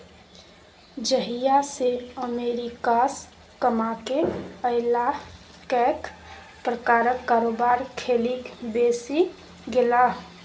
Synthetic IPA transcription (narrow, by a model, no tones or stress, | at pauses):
d͡ʒəɦijaseəmeɾikas | kəmakeəɪla | kɛk | pɾəkaɾəkːaɾobaɾkʰelikbesi | ɡela